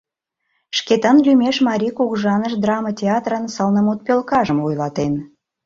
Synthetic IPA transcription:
ʃket̪ənlymeʃmɑɾʲikuɣʒɑnəʃd̪rɑmətʲeɑt̪rənsɑlnəmot̪̚pølkɑʒəmojlɑt̪en

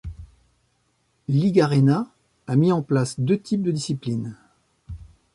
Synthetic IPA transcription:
liɡaʁenaː | miɑ̃plasd̪øt̪ʰip̚d̪əd̪isiplin

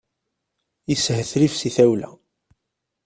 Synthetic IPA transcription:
jishəθɾifsiθæwlæ̰

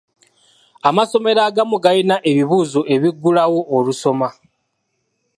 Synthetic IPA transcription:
amaso̞me̞ɾaːɡamuɡajinaʔe̞βiβuːzoʔe̞βiɡːulawo̞ʔːluso̞ma

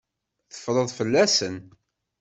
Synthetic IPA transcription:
θə̥fːɾˤəðˤfəlːæsən

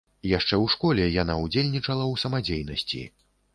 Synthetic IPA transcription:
jaʂt͡ʂɛwʂkɔlʲɛjan̪aud͡zʲelʲnʲit͡ʂɐlˠɐwsɐmad͡zʲejnɐsʲt͡sʲḭ

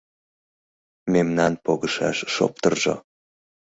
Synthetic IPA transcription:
memnɑnpoɣəʃɑ̰ʃːo̰p̚t̪ərʒo̰

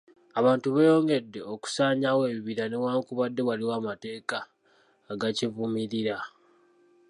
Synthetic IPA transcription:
aβaːntuβejo̞ːŋɡe̞dːe̞o̞ku̥saːɲawe̞ːβiβiɾanewaːŋkuβadːe̞waliwaːmate̞ːkaː | ɡacivumiɾiɾa

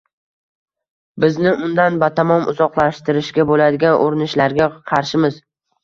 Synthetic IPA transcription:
bɪznɪʔʊnd̪anbat̪ʰamɒmʊ̰zɒqlˠaʃt̪ɪɾɪʃkʲabolad̪ɪɡʲanʔoɾɪnɪʃlaɾɡʲaqʰɑɾʃɪmɪz̥

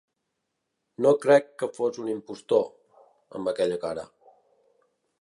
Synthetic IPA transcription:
nokɾɛkːəfozunimpust̪o | ə̰mbəkɛʎəkaɾə̰

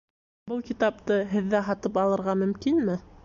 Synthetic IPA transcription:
bɤlˠkit̪ɑp̚t̪ɤɦɘ̆ðːæɦɑt̪ɤpɑlˠɤ̆ɾʁɑmɵ̆mkinmɘ

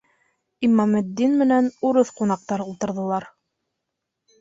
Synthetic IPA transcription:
imɑmɘ̆d̪ːinmɘ̆nænuɾɤθqunɑq̚t̪ɑɾulˠt̪ɤ̆ɾðɤ̆lˠɑɾ

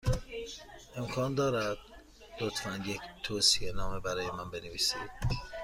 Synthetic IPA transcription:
ʔe̞mkʰɒːnd̪ɒːɾæd̪̥̚ | lot̪ʰfænject̪ʰoːsie̞nɒːmebæɾɒːjemænbe̞neviːsid̪̥

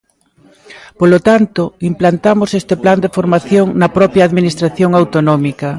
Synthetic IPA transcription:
polot̪ant̪oimplant̪amosest̪epland̪efoɾmaθjoŋnɐpɾɔpɾjaːðminist̪ɾaθjoŋawt̪onɔmikɐ

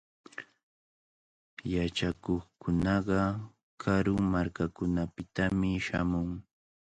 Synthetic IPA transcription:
jat͡ʃakoχkʊnɑɢɑ | kʰaɾʊŋmaɾkakʊnapɪt̪amɪʃamʊŋ

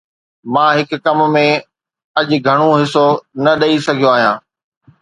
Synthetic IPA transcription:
mãːɦɪkkɐmmẽ | ɐʄɡʱɐɽ̃õɦɪsonɐɗɐisɐɡʱijoaːɦijãː

